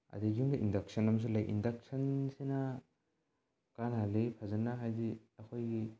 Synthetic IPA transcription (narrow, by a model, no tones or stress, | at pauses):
a̰diɡuŋdiʔindak̚sɔnams̬ulajʔḭndak̚sansena | kanɦalipʰazanaɦajdi | ɐkʰojɡi